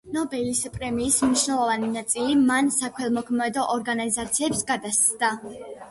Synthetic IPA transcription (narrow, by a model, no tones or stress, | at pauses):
nɔbɛlispʼɾɛmiːsmniʃnɛlˠɔvaninat̪sʼilimansakʰwɛlˠmɔkʰmɛd̪ɔʔɔɾɡanizat̪sʰiɛpsɡad̪ast̪sʼd̪a